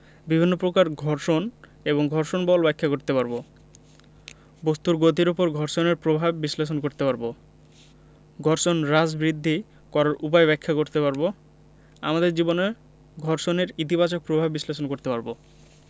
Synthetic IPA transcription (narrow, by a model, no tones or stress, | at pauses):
bibʱinːopɾokaɾɡʱɔɾʃoneβoŋɡʱɔɾʃonbɔlbɛkʰːakoɾt̪epaɾbo | bost̪uɾɡot̪̬iɾupoɾɡʱɔɾʃoneɾpɾobʱabːisleʃ̬onkoɾt̪epaɾbo | ɡʱɔɾʃonɾad͡ʑbɾid̪ʱːi | kɔɾaɾʔup̬aeβɛkʰːakoɾt̪epaɾbo | a̰mad̪eɾd͡ʑibone | ɡʱɔɾʃoneɾit̪ibat͡ɕok̚pɾobʱabːisleʃ̬onkoɾt̪epaɾbo